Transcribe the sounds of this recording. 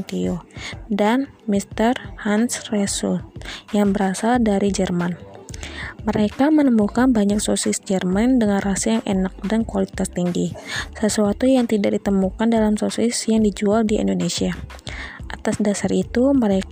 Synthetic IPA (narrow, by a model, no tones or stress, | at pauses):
t̪iodan | mist̪ərhansresut̪jaŋbəɾasaldaɾid͡ʒərman | məɾekamənəmukanbaɲak̚sosɪsd͡ʒərmandəŋanrasajaŋʔenak̚dankualit̪ast̪iŋɡisəsuat̪ujaŋt̪idak̚dit̪əmukandalamsosɪsjaŋdid͡ʒualdiʔḭndonesia | ʔat̪asdasarit̪uməɾe